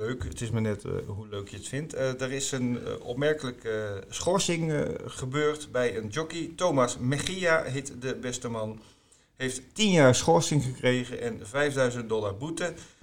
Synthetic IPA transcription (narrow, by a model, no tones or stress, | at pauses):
øɥkətɪsmaɹnɛtɦuløɥkjəətfɪntədərɪsənɔ̰pmɛɹkələkəsχɔɹsɪŋχəbøːɹtbɛjənd͡ʒɔkitowmasmɛχiaɦɪtdəbɛstəmɑn | hejfttinjaːrsχɔɹsɪŋχəkrejɣənʔɛnvɛjfdœɥzənt̚dɔlaɹbutə